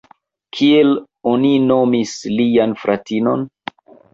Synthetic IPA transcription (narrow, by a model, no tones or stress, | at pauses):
kʰiel | onino̞mislijanfɾʔatino̞̰n